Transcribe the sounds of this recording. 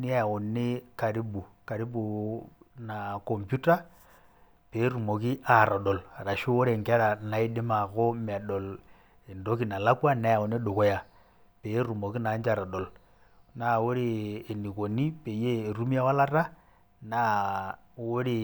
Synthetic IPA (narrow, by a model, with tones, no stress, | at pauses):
ni˦a˦a˨o˨ne˦ka˨ɾi˦bu˨ka˨ɾi˦bu˨ | nakɔ˨mpju˦ta˦ | pe˨˦ɾu˨mo˨ki˦ʔa˨ɾɔ˨ɗɔ˨la˨ɾa˨ʃu˦o˦ɾe˨ŋɡe˦ɾa˨na˨i˦de˦ma˨ɣo˦ma˨ɗɔ˨l | e˨ndo˦ki˨na˨la˦kwa˦na˦ja˨o˨ne˦ɗo˨ko˦ja˨ | pe˨˦ɾu˨mo˨ki˦na˨˦nd͡ʒa˨ɾɔ˨ɗɔ˨l | na˨wo˦ɾeː˦˨ni˨ko˨ni˦pe˨jeː˦˨ɾu˦mi˦ja˦wa˦la˦ɾa˦ | na˨˦ | wo˦ɾi˨